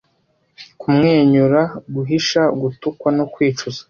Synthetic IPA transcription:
kumŋeːɲuɾaɡuɦiʃaɡutukwanokwiːt͡ʃuzḁ

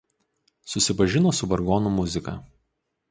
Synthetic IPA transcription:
sʊsʲɪpɐʒʲɪnoːsʊbɐɾɡɔːnumʊzʲɪkɐ̰ː

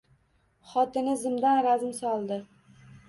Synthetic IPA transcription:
χɒt̪ɪnɪzɪmd̪anɾazmsɒlˠd̪ɪ

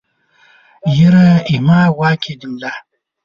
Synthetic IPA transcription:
jiɾaimawakʰidimla

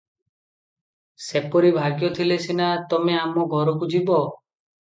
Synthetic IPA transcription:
sepɔɾibʱaɡjɔt̪ʰilesinat̪ɔmeamɔɡʱɔɾɔkud͡ʒibɔ

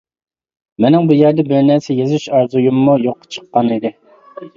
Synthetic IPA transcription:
mɪnɪŋbujæɾd̪ɛbɪɾnæɾsɛjezyʃɑɾzujumːujoqːt͡ʃʰə̥qːɑnid̪ɪ

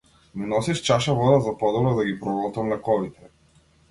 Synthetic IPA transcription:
minɔsiʃt͡ʃaʃavɔd̪azapɔd̪ɛlˠɔd̪aɡipɾɔvɔlˠt̪amlɛkɔvit̪ɛ

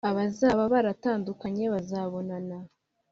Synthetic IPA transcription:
aβazaːβaβaɾataːndukaɲe̞βazaβo̞nana

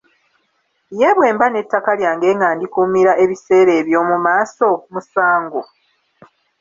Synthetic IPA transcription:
je̞βwe̞ːmbane̞tːakaljaːŋɡe̞ːŋaːndikumiɾaʔe̞βise̞ːɾe̞ːβjo̞ːmumaːso̞musaːŋɡo

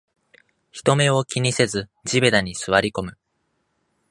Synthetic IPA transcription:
çi̥t̪o̞me̞o̞kʲiɲ̟ise̞zɨd͡ʑibed̪aɲ̟isɨβaɾʲiko̞mɯ̟

